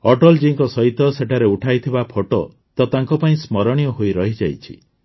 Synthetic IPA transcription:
ɔʈɔld͡ʒiiŋkɔsɔɦit̪ɔseʈʰaɾeuʈʰajt̪ʰibapʰoʈɔ | t̪ɔt̪aŋkɔpaĩsmɔɾɔɽ̃ijɔɦojiɾɔɦid͡ʒajt͡ʃʰḭ

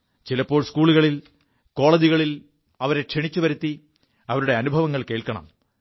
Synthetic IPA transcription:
t͡ɕilɐpːo̞ːɭskuːɭuɣɐɭil | ko̞ːɭɐd͡ʑiɣɐɭil | ɐʋɐɾe̞kʂiɳit͡ɕːuʋɐɾut̪ːi | ɐʋɐɾuɽe̞ɐnubʱɐʋɐŋːɐɭke̞ːɭkɐɳɐ̰m

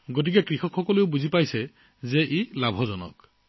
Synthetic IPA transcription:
ɡot̬ikekɾixɔkxɔkɔleʊbuzʱipajse | zeʔilabʱɔzɔnɔ̰k

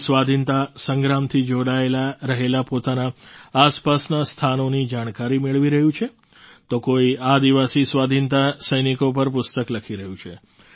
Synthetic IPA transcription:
sʋad̪ʱint̪asə̃ŋɡɾamt̪ʰid͡ʒoɽaelaɾəɦelapot̪anaːspasnast̪ʰanonid͡ʒaɽ̃kaɾimeɭʋiɾəɦũt͡ʃʰe | t̪okoiad̪iʋasisʋad̪ʱint̪asəjnikopəɾpʊst̪əkləkʰiɾəɦũt͡ʃʰe

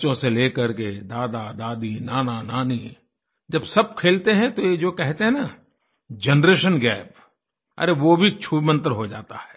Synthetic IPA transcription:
t͡ʃõseleːkɐɾked̪aːd̪ad̪aːd̪inaːnanaːni | d͡ʒɐbsɐb̚kʰeːlt̪eɦɛ̃t̪ojed͡ʒoːkɛɦt̪eɦɛ̃na | d͡ʒɛnɾeːʃənɡɛːp | ɐ̰ɾeʋobʱit͡ʃʰuːmə̃nt̪əɾɦod͡ʒa̰ːt̪a̰ɦɛː

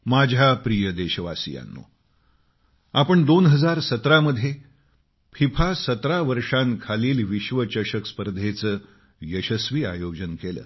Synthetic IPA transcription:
mad͡ʑʱjapɾijəd̪eɕəʋasḭja̰nːo̰ | apəɳd̪onɦəd͡zaɾsət̪ɾaməd̪ʱje | pʰipʰasət̪ɾaʋəɾʂãnkʰaliːlʋiɕʋət͡ɕəɕəkspəɾd̪ʱet͡səː | jəɕəsʋiːa̰jod͡ʑənkelə̰ː

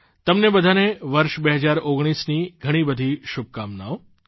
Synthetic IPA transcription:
t̪əmnebəd̪ʱaneʋəɾʃbeɦəd͡ʒaɾoɡɽ̃isniɡʱəɽ̃ibəd̪ʱiʃub̚kamnaʋo

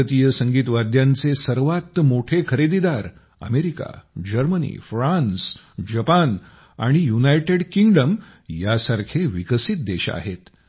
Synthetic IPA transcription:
ət̪ijəsəŋɡiːt̪ʋad̪ʱjant͡sesəɾʋat̪ːmoʈʰekʰəɾed̪id̪aɾ | ə̰meɾika̰d͡ʑəɾmənḭfɾãns | d͡ʑəpan | a̰ɽ̃ijunajʈeɽkiŋɡɖəm | jasaɾkʰeʋikəsit̪̚d̪eɕa̰ɦet̪

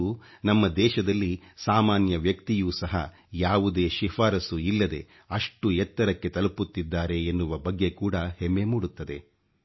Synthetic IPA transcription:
u | nɐmːɐd̪ɛːʃɐd̪ɐlːisaːmaːnjɐʋjɐkt̪ijuːsɐɦɐ̰ | jaːʋud̪e̞ːʃifaːɾɐsuilːɐd̪e̞ | ɐʂʈuɛt̪ːɐɾɐkːe̞t̪ɐluput̪ːid̪ːaːɾe̞ːnːuʋɐbɐɡːe̞kuːɽɐhemːemuːɽut̪ːɐd̪e̞

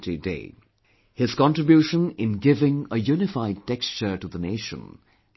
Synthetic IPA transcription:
tidḛɪ | hɪz̥kɑ̃ntɹɨbjuʃə̃nɪ̃nɡɪvɪ̃ŋəjunɪfaɪd̚tɛkst͡ʃə˞ʈuðəneɪʃə̰̃n

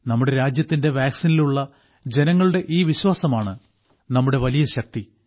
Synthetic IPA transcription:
nɐmːuɽe̞ɾaːd͡ʑjɐt̪ːinde̞ʋaːksiniluɭːɐ | d͡ʑe̞nɐŋːɐɭuɽe̞ʔiːʋiɕwaːsɐmaːɳɨ | nɐmːuɽe̞ʋɐlijɐɕɐk̚t̪i

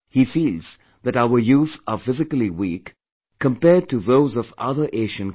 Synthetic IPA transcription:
hifiːlˠz̥ | ðɨɾaʊə˞juːθəfɪzɪkl̩ˠiwik | kʰə̃mpɛɹd̚tɨðoʊzʌvʌ̰ðə˞ʔeɪʃɨ̃n

